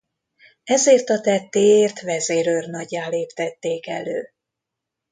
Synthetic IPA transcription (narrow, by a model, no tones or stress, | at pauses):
ɛzeːrt̪ɒt̪ɛt̪ːeːeːrt̪vɛzeːɾørnɒɟːaːleːpt̪ɛt̪ːeːkɛ̰løː